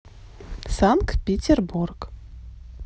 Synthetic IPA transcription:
saŋkt̪pʲetʲerburk

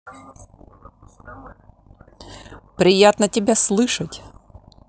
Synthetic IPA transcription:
pɾʲɪjat̪nətʲɪbʲaslˠɨʂɐtʲ

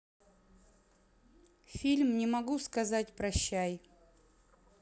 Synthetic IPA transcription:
fʲilʲmnʲɪmɐɡuskɐzatʲpɾɐɕːæj

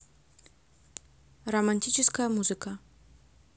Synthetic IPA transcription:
romanʲt̪ʲit͡ʃʰɪskamuzɨka

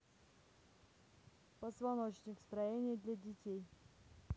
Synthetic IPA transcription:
pəzvɐnot͡ɕnʲɪkst̪ɾɐjenʲɪjəd̪lʲadʲɪtʲej

